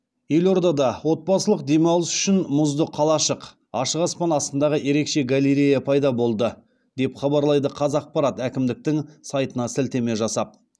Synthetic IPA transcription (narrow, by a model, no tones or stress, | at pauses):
je̞lo̞ɾd̪ɑd̪ɑwo̞t̪̚bɑsəlˠəq̚d̪e̞mɑwˠəsʏ̥ʃɪnmʊzd̪əqʰːɑlˠɑʃəq | ɑʃəʁɑspɑnɑst̪ənd̪ɑʁəje̞ɾe̞kʃe̞ɡalʲeɾʲejapʰɑjd̪ɑbo̞lˠd̪ə | d̪e̞pχɑbɑɾlˠɑjd̪əqʰɑzɑq̚pɑɾɑt̪ækʲɪmd̪ɪk̚t̪ɪŋsɑjt̪ənɑsɪlt̪e̞me̞ʒɑsɑp̚